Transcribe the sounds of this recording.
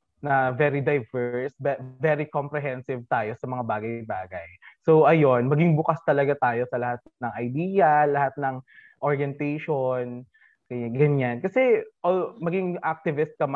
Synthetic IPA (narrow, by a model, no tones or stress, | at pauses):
nɐvɛːɾid̪ɐjvɛɹsbɛvɛɾikompɾɛɦɛnsɪvt̪aːjo̞sɐmɐŋabaːɡɐjbaːɡɐjsoʔɐjo̞nmɐɡɪŋbʊkast̪ɐlɐɡat̪aːjo̞sɐlɐhat̪̚nɐŋʔɐjd̪iːjɐlɐhat̪̚nɐŋ | ʔoɹjɛnt̪ejʃon | ɐɡɐɲankɐsɛʔomɐɡɪŋʔak̚t̪ɪvɪst̪̚kɐm